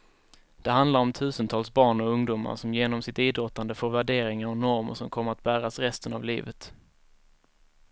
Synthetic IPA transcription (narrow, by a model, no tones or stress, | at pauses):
d̪̥ɛɦand̪laɾɔmt̪ʰʉ̟ːsənt̪ʰɑːlsbɑːɳɔɵŋd̪uːma̰ɾʂɔmjeːnɔmsɪt̪iːd̪ɾɔt̪ːand̪əfoːɾvæɖeːɾɪŋaɾɔnɔɾmə̰ʂɔmkʰɔmːəɾat̪̚bæːɾasɾɛst̪ənavlḭːvət̪